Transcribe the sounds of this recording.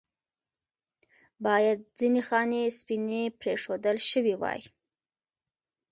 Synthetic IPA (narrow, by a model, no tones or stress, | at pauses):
bɑjad̪̚zinexɑnespinepɾeʂod̪əlʃəwiwɑ̰j